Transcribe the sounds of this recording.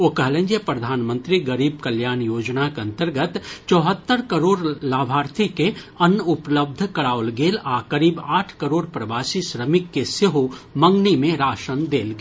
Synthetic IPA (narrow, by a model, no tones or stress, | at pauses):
okəɦlə̃nd͡ʒjəpɾɐd̪ʱaːnmə̃nt̪ɾiɡɐɾiːb̚kɐljaːnjoːd͡ʒnakeɐ̃nt̪əɾɡət̪t͡ʃɔːɦət̪ːəɾkɐɾoːɾlaːbʱaːɾt̪ʰike | ɐnʊpləb̚d̪ʱkɐɽaːʋlɡeːlaːkəɾiːbaːʈʰkɐɾoːɽpɾɐʋaːsiʃɾəmɪkːeseɦomɐ̃ŋɡnimẽɾaːʃənd̪eːlɡe